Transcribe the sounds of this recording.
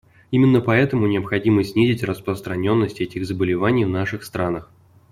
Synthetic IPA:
imʲɪnːəpɐɛt̪əmʊnʲɪəpxɐdʲiməsʲnʲizʲɪtʲrəspɾəst̪ɾɐnʲo̞nːəsʲtʲɛtʲɪɣzəbəlʲɪvanʲɪjvnaʂɨxst̪ɾʔanəx

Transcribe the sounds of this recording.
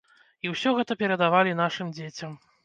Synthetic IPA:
iwsʲɔɣɛt̪ɐpʲɛɾɐd̪avalʲinaʂɨmd͡zʲet͡sʲɐm

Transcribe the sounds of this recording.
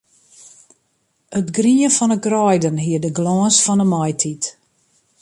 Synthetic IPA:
ətɡriəfɔnəɡrɔjdənɦiədəɡlɔːsfɔnəmɔjtʰit

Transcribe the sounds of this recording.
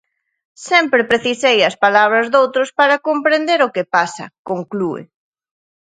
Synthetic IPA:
sɛmpɾɪpɾeθisejɐspalaβ̞ɾɐzðowt̪ɾʊspaɾɐkompɾend̪eɾʊkɪpasɐ̰koŋkluḛ

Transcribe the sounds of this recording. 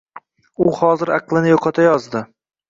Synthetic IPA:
ʊhɒzɪɾɑqlˠɪnɪjoqʰɑt̪ʰajɒzd̪ɪ

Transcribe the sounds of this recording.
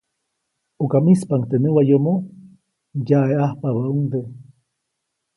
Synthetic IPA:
okamispaŋkt̪enewajomo | jaeahpaβauŋd̪e

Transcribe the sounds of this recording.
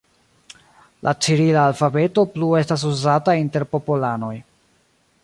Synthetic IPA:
lʔat͡ʃiɾilaːlfabe̞to̞plue̞stas̬uzatainte̞ɾpo̞pulano̞j

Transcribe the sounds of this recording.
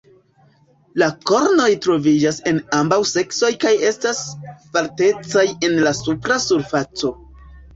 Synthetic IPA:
lako̞ɾno̞jtɾo̞vid͡ʒase̞nambawse̞kso̞jkaje̞staspaɾte̞t͡saje̞nlasupɾasuɾfat͡so̞

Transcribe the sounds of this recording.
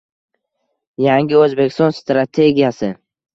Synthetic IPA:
jaŋʲɪɵzbe̞kʲɪ̥st̪ɒnst̪ɾat̪ʰe̞ɡʲijasɪ

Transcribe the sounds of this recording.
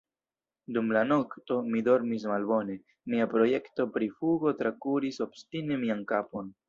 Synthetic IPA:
dumlano̞kto̞mido̞ɾmis̬malbo̞ne̞ | miapɾo̞je̞kto̞pɾifuɡo̞tɾakuɾiso̞b̥stine̞miankapo̞n

